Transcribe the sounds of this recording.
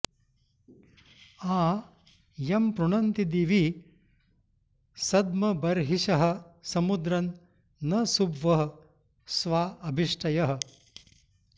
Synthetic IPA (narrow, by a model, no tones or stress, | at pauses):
aː | jɐmpɾuɳɐnt̪id̪iːʋi | sɐd̪mɐbɐɾɦiʃɐɦɐ̆sɐmud̪ɾɐnː | ɐsubʋɐɦɐ̆ | sʋaːɐbʱiʂʈʰɐjɐɦɐ̆